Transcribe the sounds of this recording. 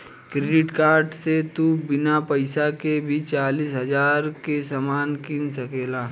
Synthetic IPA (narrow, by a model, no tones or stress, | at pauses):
kɾeːɖɪʈkaːɾɖset̪ubɪnapɐɪsakebʱit͡ʃaːlisɦɐzaːɾkesamaːnkɪnsɐkeːlaː